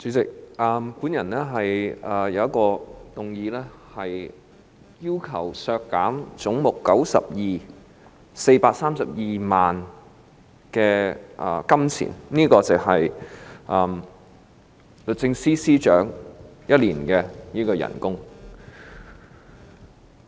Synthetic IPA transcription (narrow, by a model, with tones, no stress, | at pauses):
t͡sy˨˥t͡sɪ˨k̚ʔɐː˨˧mku˨˥njɐ˨˩nlɛː˥ɦɐ˨jɐː˨˩jɐ˨˧wjɐ˥kɔː˧t̪ʊ˨ŋjiː˧lɛː˥hɐ˨j | jiː˥wkʰɐ˨˩wsœː˧kːaː˨˥mt͡sʊ˨˥ŋmʊ˨kːɐ˨˥wsɐ̰˨p̚jiː˨ | se˧jpaː˧k̚saː˥msɐ˨p̚jiː˨maː˨n | kɛː˧ʔɐ̰ː˨˩kɐ˥mt͡sʰḭː˨˩nniː˥kɔː˧t͡sɪ˨hɐ˨jʔɐː˨˩m | lɵ˨t̚t͡sɪ˧ŋsiː˥siː˥t͡ʃœ̰ː˨˥ŋjɐ˥t̚liː˨˩nkɛː˧niː˥kɔː˧jɐ̰˨˩nkʊ˥ŋ